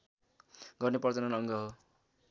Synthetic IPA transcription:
ɡʌrnepʌrt͡sʌnʌnʌŋɡʌɦo

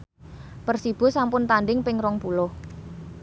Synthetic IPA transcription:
pərsib̥ʊ̤sampʊnt̪anɖɪŋpɪŋɾɔŋpulʊh

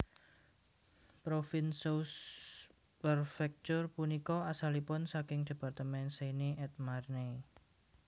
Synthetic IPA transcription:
pɾofinsos | pərfɛk̚t͡ʃʊrpunikɔasalipʊnsakɪŋd̥e̤part̪əmɛnseneʔɛt̪̚marne

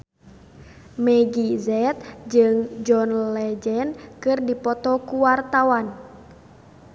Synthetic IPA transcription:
mɛɡizɛt̪̚d͡ʒɨŋd͡ʒɔnlɛd͡ʒɛnkɨrdipɔt̪ɔkuwart̪awan

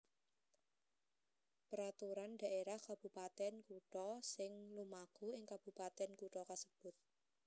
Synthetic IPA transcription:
pəɾat̪uɾanɖa̤ʔeɾahkab̥ṳpat̪ɛnkuʈɔsɪŋlumakuɪŋkab̥upat̪ɛnkuʈɔkasəb̥ʊt̪̚

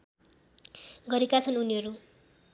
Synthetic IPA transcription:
ɡʌɾekat͡sʰʌnuniɦʌɾu

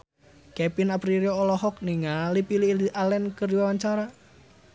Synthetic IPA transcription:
kɛpinapɾiɾioːlɔɦɔk̚niŋalipililiʔalɛnkərdiwawaɲt͡ʃaɾa

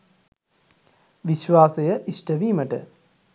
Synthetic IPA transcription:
ʋiʃʋaːsejəʔisʈəʋiːməʈə̰

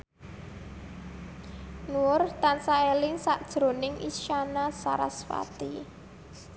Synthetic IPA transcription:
nuʊrt̪ansaelɪŋsaʔd̥ʒ̥ɾo̤nɪŋʔḭʃanasa̰ɾa̰sfa̰t̪i

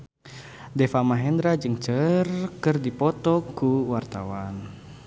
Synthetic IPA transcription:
dɛfamaɦɛnd̪ɾad͡ʒɨŋt͡ʃərkɨrdipɔt̪ɔkuwart̪awan

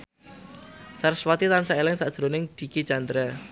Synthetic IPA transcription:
saɾɪswat̪it̪ansaelɪŋsad̥ʒ̥ɾonɪŋd̪̥i̤ki̥d͡ʒand̪ɾa

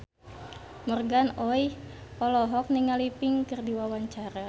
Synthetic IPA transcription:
mɔrɡanɔjɔlɔɦɔk̚niŋalipɪŋkɨrdiwawaɲt͡ʃaɾa

